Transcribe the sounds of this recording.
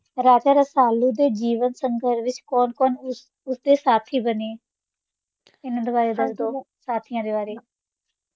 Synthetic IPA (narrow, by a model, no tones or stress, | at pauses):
ɾaːd͡ʒaːɾəsaːluːd̪eːd͡ʒiːʋənsəŋɡəɾʋɪt͡ʃkɔːnkɔːn | ʊsd̪eːsaːt̪ʰiːbəneː | ɪnd̪ʊʋaːɾeːd̪əsd̪oː | saːt̪ʰijãːd̪eːbaːɾeː